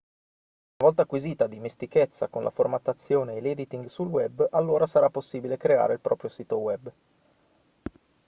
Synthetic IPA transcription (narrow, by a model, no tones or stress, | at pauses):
unavɔlt̪akwiziːt̪ad̪imest̪iket̪sːakonlʔa̰format̪ːat̪sːjoːneːleːd̪it̪iŋɡsulwɛbːalːoːɾasaɾapːosːiːbilekɾea̰ːɾeilpɾʔɔ̰ːpɾjosiːt̪owɛbː